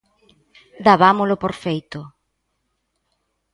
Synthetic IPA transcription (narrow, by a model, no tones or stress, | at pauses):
d̪aβamolʊpoɾfejt̪ʊ